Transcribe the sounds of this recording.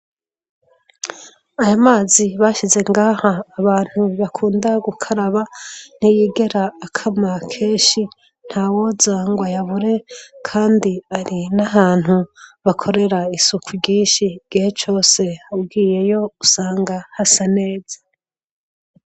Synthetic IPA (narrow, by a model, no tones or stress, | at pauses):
ajamaːziβaːʃize̞ŋɡaːhaːβaːn̥huβakʰuːndaɡukʰaɾaβan̥ijiːɡe̞ɾaːkʰamakʰe̞ːnʃi | n̥haːwo̞zaːŋɡwajaβuɾe̞kʰaːndiaɾinaɦaːn̥huβakʰo̞ɾe̞ɾaisukʰuɟiːnʃiɡ̥ihet͡ʃo̞ːse̞ub̚ɡiːje̞jo̞usaːŋɡahasane̞ːzḁ